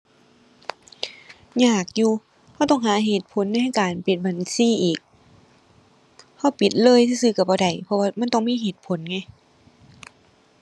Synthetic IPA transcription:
ɲaː˧˩k̚juː˧ | ha˧˩wt̪ɔ˧˥˩ŋɦaː˨˦ɦeː˧˩t̪̚pʰo˨˦nːa˧˨jha˥˨jkaː˨npi˨˧˩t̪̚ba˨˩nsiː˧˥˨ʔiː˨˩k̚ | ha˧˥˩wpi˨˩t̪̚lɤː˧˥˨jsʰiː˧˩sɯː˧˩ka˧˩bɔː˧˦da˨˩jpʰɔ˧waː˧˩ma˧˥˨nt̪ɔ˧˩ŋmiː˧˥˨ɦeː˧˨˩t̪̚pʰo˨˦nŋa˧˩j

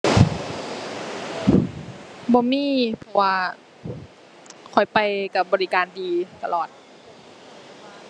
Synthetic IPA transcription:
bɔː˧miː˧˥˨pʰɔ˧waː˧ | kʰɔ˨˩jpa˧jka˧˩bɔː˧li˦˧kaː˨ndiː˨˧t̪a˧lɔː˨˩t̪̚

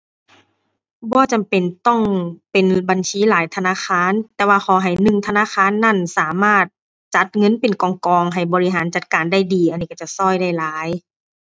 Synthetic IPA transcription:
bɔː˧˦t͡ɕa˨mpe˨˩nt̪ɔ˥˩ŋpe˨nba˨nsiː˧˦˨laː˨˦jt̪ʰa˧naː˧˥˨xʰaː˧˥˨nt̪ɛː˧waː˧xʰɔː˨˩˦ɦa˨˩jnɯ˧ŋt̪ʰa˧naː˧˥˨xaː˧˥˨nːa˧˥˩nsaː˨˦maː˧˥˩t̪̚ | t͡ɕa˧˦t̪̚ŋɤ˧˥˨npe˨nkɔː˨˧˦ŋkɔː˧ŋɦa˨˩jbɔː˨˧li˦˥ɦaː˨˦nt͡ɕa˧˦t̪̚kaː˨nda˥˩jdiː˨˩ʔa˨nːiː˧˩ka˧˩t͡ɕa˧˩sɔː˧˥˩jda˥˩jlaː˨˦j

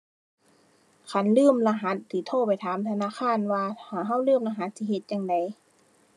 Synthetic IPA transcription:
kʰa˧˥nlɯː˧˥˨mla˧ɦa˧˦˥t̪̚si˨˦t̪ʰoː˧˥˩pa˨˩jt̪ʰaː˨˦mt̪ʰa˧naː˧˥˨xʰaː˧˥˨nwaː˧haː˨˩ɦa˧˩˨wlɯː˧˥˩mla˧ɦa˨˦t̪̚si˧˦ɦe˧˦t̪̚ja˧˨ŋda˨˦j

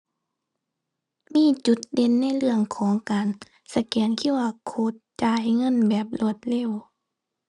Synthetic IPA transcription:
miː˧˥˨t͡ɕu˧˦t̪̚de˧nːa˧˥˨jlɯ˧˩əŋkʰɔː˨˦ŋkaː˨n | sa˧˦kɛː˨˩ŋkʰi˧˥˨waː˧kʰoː˧˦t̪̚t͡ɕaː˧˦ha˧˨˩jŋɤ˧˥˨nbɛː˨˩p̚lo˧˩ət̪̚lɛː˧˥˨w

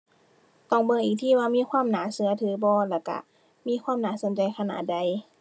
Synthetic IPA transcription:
t̪ɔ˧˩ŋbɤː˧˩ʔiː˨˩k̚t̪ʰiː˧˥˩waː˧miː˧˥˨kʰwaː˧˥˨mnaː˨˦sɯ˧˦ɐ˧t̪ʰɯː˨˦bɔː˧˦lɛː˧˩ka̰˧˩ | miː˧˥˨kʰwaː˧˥˨mnaː˧˩so˨˦nt͡ɕa˧jkʰa˧na̰ː˨˩t̪̚da˧j

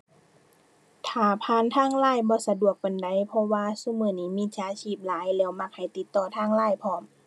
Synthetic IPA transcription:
t̪ʰaː˨˩pʰaː˧˥˨nt̪ʰaː˧˥˨ŋlaː˧˥˨jbɔː˧˦sa˧du˨˩ək̚ka˨nda˧˦jpʰɔ˧waː˧˨su˧˥˨mɯː˧˩niː˧˥miː˧˥˨t͡ɕaː˧˥t͡ɕʰiː˧˩p̚laː˨˦jlɛː˧˩wma˧˥k̚ha˨˩jt̪i˧˦t̪ːɔː˧˩t̪ʰaː˧˥˨ŋlaː˧˥˨jpʰɔː˧˩m

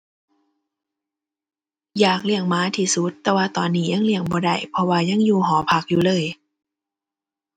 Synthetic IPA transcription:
jaː˨˩k̚li˧˩əŋmaː˧˦˥t̪ʰiː˧su˧˦˥t̪ːɛː˧waː˧t̪ɔː˨˩nːiː˦˥ja˧˥˨ŋli˧˩əŋbɔː˧˦da̰˧˩jpʰɔ˧waː˧ɲa˧˥˨ŋjuː˧˩ɦɔː˨˦pʰa˧˩k̚juː˨˧˩lɤː˧˨j

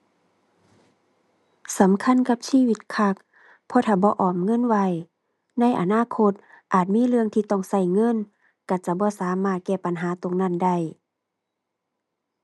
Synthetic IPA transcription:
sa˨˦mkʰa˧˥˨nka˧˦p̚siː˧˨wi˧˦t̪̚kʰa˧k̚ | pʰɔː˧˦t̪ʰaː˧˩bɔː˧˦ʔɔː˨˩mŋɤ˧˥˨nwa˧˨j | na˧˥˨jʔa̰˧naː˧˥˨kʰo˧˥t̪̚ | ʔaː˨˩t̪̚miː˧˥˨lɯ˧əŋt̪ʰiː˧˨t̪ɔ˧˩˨ŋsa˧˩˨jŋɤ˧˥˨n | ka˧˩t͡ɕa˧bɔː˧˦saː˨˦maː˧˩t̪̚kɛː˧˩pa˨nɦaː˨˦t̪o˧˨ŋna˧˥˨nda˧˩j

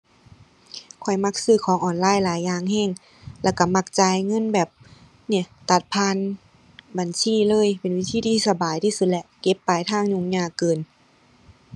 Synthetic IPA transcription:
kʰɔ˨˩jma˧˩k̚sɯː˧˩kʰɔː˨˦ŋʔɔː˨˩nlaː˧˥˨jlaː˨˦jːaː˧˩ŋhɛː˧˩˨ŋ | lɛ˧˥˨ka˧˩ma˧˩k̚t͡ɕa˧˨jŋɤ˧˥˨nbɛː˨˩p̚ | ni˧˩˨t̪a˧˩t̪̚pʰaː˧˥˨n | ba˨nsiː˧˥˨lɤː˧˥˨jpe˨˦nwi˧˩t̪ʰiː˧t̪ʰiː˧˨sa˧baː˨˩jt̪ʰiː˧su˧t̪̚lɛ˧ʔke˧˦pːaː˨˩jt̪ʰaː˧˥˩ŋɲu˧˨ŋɲaː˧˩kɤː˨n

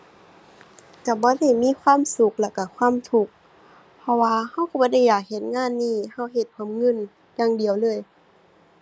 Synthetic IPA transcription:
ka˧˩bɔː˧˦da˧˥˩jmiː˧˥˨kʰwaː˧˥˨msu˧˦k̚lɛː˧˩ka˧˩kʰwaː˧˥˨mt̪ʰu˧˦k̚ | pʰɔ˧waː˧ha˧˥˨wkɔ˧˦bɔː˧˦da˧˩˨jːaː˨˩k̚he˨˧˩t̪̚ŋaː˧˥˨nːiː˧˥˩ha˧˩wɦe˧˩t̪̚pʰo˧˦˨mŋɤ˧˥˨n | jaː˧˩ŋdi˨əwlɤː˧˥˨j

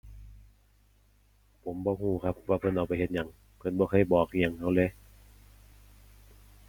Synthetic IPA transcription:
pʰo˨˦mbɔː˧˦huː˧˩kʰa˧˥p̚waː˧˩pʰɤ˧˥˨nʔa˨˩wpa˨jhe˧t̪̚ɲa˨˩˦ŋ | pʰɤ˧˨nbɔː˧kʰɤ˧˥˨jbɔː˨˩k̚i˧˨a˨ŋha˧˥˩le˧˥˨

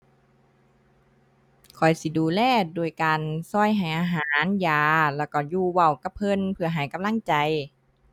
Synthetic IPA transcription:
kʰɔ˨˩jsi˧˦duː˨˧˦lɛː˧˩duː˧əjkaː˨nsɔ˧˩˨jɦa˨˩jʔaː˧ɦaː˦njaː˨˧lɛː˧˩wkɔ˧˩juː˧˩wa˧˩wka˧˦pʰɤ˧˥˨npʰɯ˧ɐɦa˨˩˦jka˧˨mla˧˥˨ŋt͡ɕa˨˧j

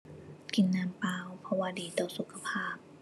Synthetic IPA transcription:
ki˨˩˦nːaː˧mpaː˧wpʰɔ˧waː˧diː˨˩t̪ɔː˧˩su˨˦kʰːa˧pʰaː˧˩p̚

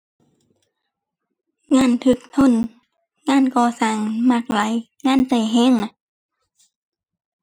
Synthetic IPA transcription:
ŋaː˧˥˨nt̪ʰɯː˧˩k̚t̪ʰo˧˥˨n | ŋaː˧˥˨nkɔː˧˩saː˨˩ŋma˧˩k̚la˨˦j | ŋaː˧˥˨nsa˧˩jɦɛː˧˥˨ŋna˧˦

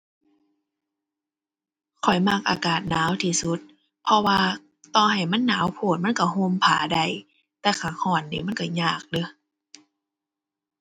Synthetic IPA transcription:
kʰɔ˨˩jma˧˥k̚ʔa̰ː˧kaː˨˩t̪̚naː˨˦wt̪ʰiː˧su˧˦t̪̚ | pʰɔ˧waː˧ | t̪ɔː˧˩ɦa˨˩jma˧˥˨nːaː˨˦wpʰoː˧˨˩t̪̚ma˧˥˨nka˧˩ho˧˥˨mpʰa̰ː˨˦da˧˩j | t̪ɛː˧kʰaː˧˩kʰɔː˧˩nːḭː˧˨ma˧˥˨nka˧˩ɲaː˧˩k̚lɯ˧˦

